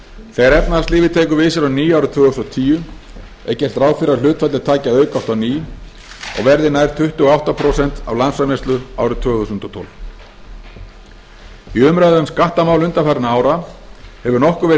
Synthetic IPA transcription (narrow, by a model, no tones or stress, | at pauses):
θɛɣaɾɛpnaðast̪iːvɪt̪ʰeːjkʏvɪːsɪɾawniːjawɾʏt̪ʰv̥ɛːɣust̪ɔt̪ʰiːjʏ | ɛ̰cːɛr̥t̪ɾaːwfɪɾalʏːt̪fat̪ɪt̪ʰaːcaœːɥkawhst̪awniː | ɔ̰ɣvɛɾðɪnajɾ̥t̪ʰʏht̪ʏɣɔawht̪apʰɾɔːsɛnt̪a̰vlansvamɛst̪lʏa̰ːwɾʏt̪ʰœːɣθusʏnt̪ɔt̪ʰɔ̰lv | iʏmɾaðʏʏmskaht̪amaːwlʏnt̪afaɾnaaːwɾahɛvʏɾnɔhkʏɾvɛːɾɪ